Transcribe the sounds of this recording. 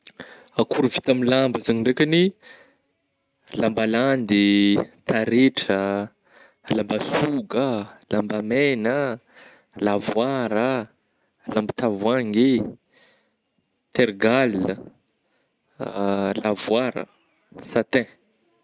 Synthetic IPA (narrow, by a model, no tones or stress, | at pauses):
akuɾuvit̪amilambəzaŋiɖ͡ʐekini | lambaland̪it̪aɾeʈ͡ʂə | lambasuɡəlambamenə | lavwaɾa | lambit̪avwaŋe | t̪eɾɡalə | lavuaɾə̰ | sat̪ɛ̃